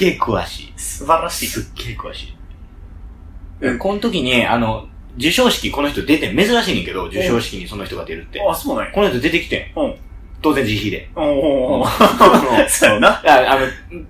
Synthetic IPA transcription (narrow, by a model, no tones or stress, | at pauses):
ɨɡeːkʰɯ̟βa̰ɕḭːsɨbaɾaɕisɨɡeːkɯ̟βa̰ɕi̥ː | ekõ̞nt̪o̞kʲiɲ̟ia̰no̞ | d͡ʑɨɕo̞ːɕi̥kʲiko̞noçi̥t̪od̪e̞t̪ẽme̞zɨɾaɕiːnẽŋke̞d̪o̞d͡ʑɨɕo̞ːɕi̥kʲiɲ̟iso̞noçit̪o̞ɡad̪e̞ɾɯ̟t̪ːe̞asoːnã̰ɲko̞noçi̥t̪od̪e̞t̪e̞kʲi̥t̪ḛ̃ | t̪o̞ːzẽɲ̟d͡ʑiçiːd̪e̞̰o | sonaaano